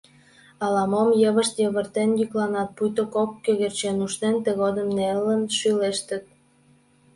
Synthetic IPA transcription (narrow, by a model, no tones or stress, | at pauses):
ɑlɑmomjəβəʃt̪jəβərt̪enjyklɑnɑt̪̚pujt̪okokːøɣert͡ɕenuʃt̪ent̪əɣod̪əmnelːənʃyleʃt̪ə̆t̪̚